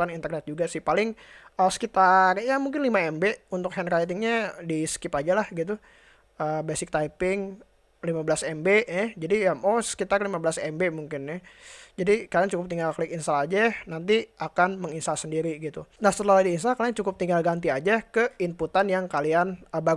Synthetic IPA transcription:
anint̪ərnɛt̪̚d͡ʒuɡasɪhpalɪŋəsə̥kit̪arjamuŋkɪnlimaɛmbeunt̪ʊk̚hɛnkait̪ɪŋɲadiskipad͡ʒalahɡit̪̬u | əbɛsɪk̚t̪aipɪŋ | limabəlasɛmbenɛd͡ʒadijamoskit̪arlimabəlasɛmbemuŋkɪnːɛd͡ʒadikaliat͡ʃukʊp̚t̪iŋɡalklɪkinsalad͡ʒanant̪̬iʔakanməŋinsalsəndiɾiɡit̪unahsəlaludiːns̬alkaliaŋt͡ʃukʊp̚t̪iŋɡalɡant̪̬iad͡ʒakəinput̪anjaŋkalianəba

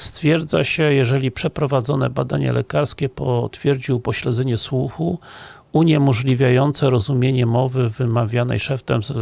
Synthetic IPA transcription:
st̪fʲjɛɾd̪za̰ɕɛjɛʐɛlʲipʂɛpɾɔvad̪zɔnɛ̰bad̪aɲɛ̰lɛ̰kaɾskʲɛpɔt̪fʲjɛɾd͡ʑiwpɔɕlɛd̪zɛɲɛswuxu | uɲɛmɔʐlʲivʲjajɔnt̪sɛɾɔzumʲjeɲɛmɔvɘvɘmavʲjanɛ̰jʂɛft̪ɛmz

